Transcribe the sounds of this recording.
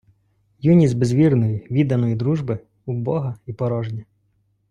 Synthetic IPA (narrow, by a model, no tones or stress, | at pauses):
junʲizʲbezʋʲirnɔjiʋʲid̪ɐnɔjid̪ɾuʒbɪ | ubɔɦɐipɔɾɔʒdʲɐ